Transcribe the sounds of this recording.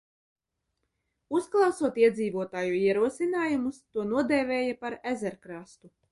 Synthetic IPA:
usklˠɑwsuɔt̪iɛd̪ziːvuɔt̪aːjuiɛɾuɔsinaːjumust̪uɔnuɔd̪ɛːvʲɛːjapaɾæzɛɾkɾast̪u

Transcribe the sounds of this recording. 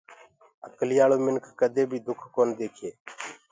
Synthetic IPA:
əklɪjaːɭoːmɪnkʰːəd̪eːbʱiːd̪ʊkʰkoːnd̪eːkʰeː

